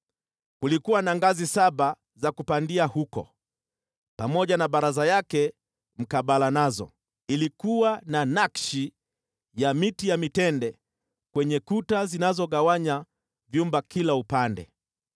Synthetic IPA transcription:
kulikuwanaŋɡazisaɓa | zakupandiahukɔ̰ | pamɔʄanaɓaɾazajakɛ | m̩kaɓalanazɔ̰ | ilikuwananakʃi | jamitijamitɛndɛ | kwɛɲɛkutazinazɔɠawaɲa | vjumbakilaupandɛ̰

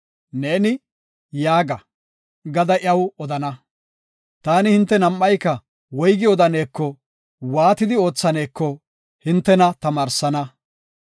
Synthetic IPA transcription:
ne̞ːnɪ | jaːɡɐ | ɡɐd̪ɐʔɪɐwɔd̪ɐnɐ | t̪aːnɪhɪnt̪ːɛnɐmːɐjkːɐ | wɔjɡɪɔd̪ɐne̞ːkːɔ | waːt̪ɪd̪ɪo̞ːt͡sːɐne̞ːkːɔ | hɪnt̪ːɛnɐt̪ɐmaːɾsɐnɐ

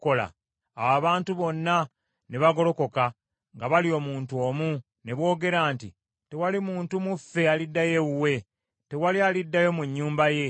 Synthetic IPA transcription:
ko̞la̰ | awaβaːntuβo̞nːa | neβaɡo̞ɾo̞ko̞ka | ŋɡaβalio̞muːntuo̞ːmu | ne̞βwo̞ːɡe̞ɾaːnti | te̞walimuːntumufːe̞alidːaje̞uwe̞ | te̞walialidːajo̞muɲːuːmbaje̞

